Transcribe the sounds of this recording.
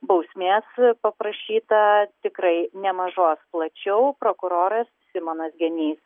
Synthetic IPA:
bɐʊsʲmʲeːspɐpɾɐʃʲiːt̪ɐt̪ʲɪkrɐɪnʲɛmɐʒoːsplˠɐt͡ʃʲɛʊpɾoːkʊɾoːɾɐssʲɪmoːnɐsɡʲɛnʲiːs

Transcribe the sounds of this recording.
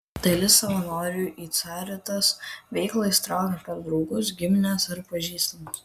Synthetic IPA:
d̪ɐlʲɪsɐʋɐnoːɾʲuːʔiːt̪sʲɑːɾʲɛt̪ɐsʋʲɛɪklˠɐɪst̪ɾɑʊɡʲɐpʲɐɾd̪ɾɒʊɡʊsɡʲɪmʲɪnʲɛsɐɾpɐʒʲiːst̪ʲnɐs

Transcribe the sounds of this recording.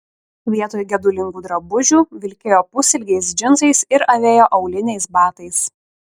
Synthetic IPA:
ʋʲiɛt̪oːjɡʲɛd̪ʊlʲɪŋɡuːd̪ɾɐbʊʒʲuːʋʲɪlʲkʲeːjoːpʊsʲɪlʲɡʲɛɪs̬d͡ʒʲɪnzɐɪsɪɾɐʋʲeːjoːʔɐʊlʲɪnʲɛɪsbɑːt̪ɐɪs

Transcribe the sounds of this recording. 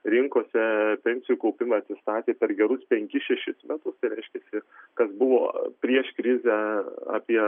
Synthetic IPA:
ɾʲɪŋkoːsʲɛpʲɛnʲsʲɪjuːkɐʊpʲɪmɐɐt̪ʲsʲɪst̪ɑːt̪ʲeːpʲɛɾɡʲɛɾʊspʲɛŋʲkʲɪʃʲɛʃʲɪsmʲæt̪ʊst̪ɐɪɾʲɛɪʃʲkʲɛːsʲɪkɐsbʊʋo̰ːpʲɾʲiɛʃkɾʲɪzʲæɑ̰ːpʲiɛ

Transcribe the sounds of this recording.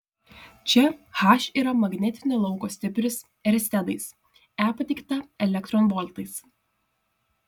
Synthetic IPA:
t͡ʃʲɛxɑʃʲiːɾɐmɐɡnʲɛt̪ʲɪnʲelˠɒʊkoːsʲt̪ʲɪpʲɾʲɪs | ɛɾʲsʲt̪ʲɛd̪ɐɪs | æːpɐt̪ʲɪkt̪ɐɛlʲɛkt̪ɾɔːnbɔlʲt̪ɐɪs

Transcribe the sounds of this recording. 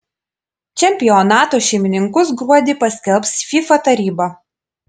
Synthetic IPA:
t͡ʃʲɛmʲpʲɪjɔnɑːt̪oːʃʲɛɪmʲɪnʲɪŋkʊsɡɾuɔd̪ʲɪpɐsʲkʲɛlˠpsfʲifɐt̪ɐɾʲiːbɐ

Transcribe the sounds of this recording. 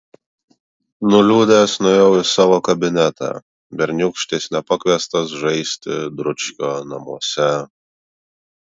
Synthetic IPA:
nʊlʲuːd̪ʲesnʊjɛʊɪsɑːʋoːkɐbʲɪnʲɛt̪ɑ̰ː | bʲɛɾʲnʲʊkʃʲt̪ʲeːsʲnʲɛpɐkʋʲiɛst̪ɐsʒɐɪsʲt̪ʲɪd̪ɾʊt͡ʃʲkʲoːnɐmuɔsʲɛ

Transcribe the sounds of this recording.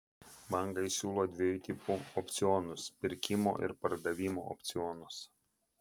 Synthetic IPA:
bɐŋˑɡɐɪsʲuːlˠoːd̪ʲʋʲɪjut̪ʲipuɔpʲt̪sʲɪɔnʊspʲɪɾʲkʲɪmo̰ːʔɪ̰ɾpɐɾd̪ɐʋʲiːmo̰ːɔ̰pʲt̪sʲɪɔnʊs

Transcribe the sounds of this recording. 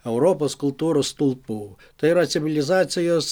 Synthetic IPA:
ɛʊɾoːposkʊlˠt̪uːɾost̪ʊlˠpuː | t̪ɐɪɪɾɐsʲɪʋʲɪlʲɪzɑːt̪sʲɪjoːs

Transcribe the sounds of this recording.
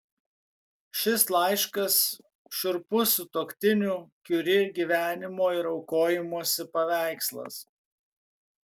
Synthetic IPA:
ʃʲɪslˠɐɪʃkɐs | ʃʲʊɾpʊsʊt̪oːkʲt̪ʲɪnʲuːkʲʊɾʲɪɡʲiʋʲæːnʲɪmoːɪɾɒʊkoːjɪmuɔsʲɪpɐʋʲæˑɪkslˠɐ̰s

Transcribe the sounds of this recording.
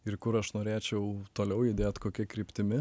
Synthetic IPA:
ɪɾkʊɾɐʃnoːɾʲeːt͡ʃʲɛʊt̪oːlʲɛʊjɪd̪ʲeːt̪ʲkoːkʲɛkɾʲiːpʲt̪ʲɪmʲɪ

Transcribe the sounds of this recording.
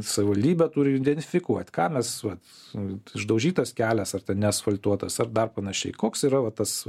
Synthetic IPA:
sɐʋʲɪʋɐlʲd̪ʲiːbʲɛt̪uːɾʲɪɪd̪ʲɛnʲt̪ʲɪfʲɪkuɔt̪ʲkɑːmʲɛsʋɐt̪ | ɪʒd̪ɐʊʒʲiːt̪ɐskʲæːlʲɛsɐrt̪ʲɛnnʲɛɐsfɐlʲt̪uɔt̪ɐsɐrd̪ɐrpɐnɐʃʲɛɪkoːksiːɾɐʋɐt̪ɐs

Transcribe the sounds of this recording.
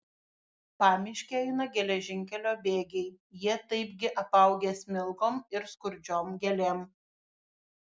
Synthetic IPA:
pɑːmʲɪʃʲkʲeɛɪnɐɡʲɛlʲɛʒʲɪŋʲkʲɛlʲoːbʲeːɡʲɛɪ | jiɛt̪ɐɪpɡʲɪʔɐpɐˑʊɡʲeːsʲmʲɪlˠkoːmɪɾskʊɾʲd͡ʒʲoːmɡʲɛlʲeːm

